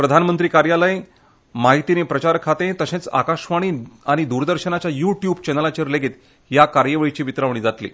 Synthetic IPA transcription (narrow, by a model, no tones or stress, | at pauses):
pɾəd̪ʱanmənt̪ɾiːkaɾjaləj | maɦit̪inepɾət͡ɕaɾkʰat̪ẽt̪əsẽt͡sa̰kaɕʋaɽ̃iːaɽ̃id̪uɾd̪əɾɕənat͡ɕjajuʈjubt͡ɕɛnəlat͡ɕeɾleɡeːt̪ | jakaɾjəʋəɭit͡ɕiːʋit̪ɾaʋɳ̃iːd͡zat̪lḭ